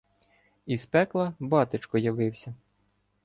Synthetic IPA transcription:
ispɛklˠɐbɑt̪ɪt͡ʃkɔjɐʋɪwsʲɐ

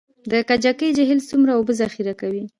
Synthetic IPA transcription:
d̪əkad͡ʒakəjd͡ʒaɦɪlsumɾaobəzaxiɾakawi

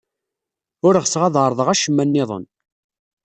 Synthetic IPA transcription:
ʊɾəʁsʁæðəɾˤðˤəʁæʃəmːænːɪðˤə̰n

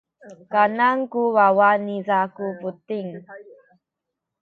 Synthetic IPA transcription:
kanaŋkuwawanizakuputiŋ

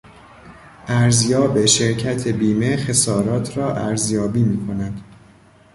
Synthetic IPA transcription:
ʔæɾzjɒːbe̞ʃe̞ɾcʰæt̪ʰe̞biːme̞xe̞sɒːɾɒːt̪ʰɾɒːʔæɾzjɒːbiːmiːkʰo̞næd̪̥

